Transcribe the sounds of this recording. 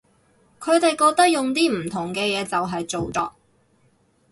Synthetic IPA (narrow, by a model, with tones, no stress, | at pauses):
kʰɵ˨˧ɥt̪e˨jkɔː˧k̚t̪ɐ˥k̚jʊ˨ŋt̪iː˥m̩˨˩t̪ʰʊ˨˩ŋkɛː˧jɛː˨˧t͡sɐ˨wɦɐ˨jt͡so˨wt͡sɔ̰ː˧k̚